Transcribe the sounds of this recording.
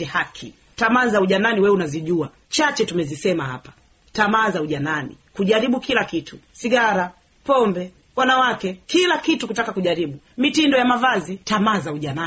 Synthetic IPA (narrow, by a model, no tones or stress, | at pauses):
ɛhakʰḭ | tamaːzauʄananiwɛunaziʄua | t͡ʃat͡ʃɛtumɛzisɛmaha̰pḁ | tamaːzauʄananḭkuʄaɾiɓukilakitʰusiɡaɾa | pɔmbɛ | wanawakɛkilakitukutakakuʄaɾiɓu | mitindɔjamavazitamaːzauʄana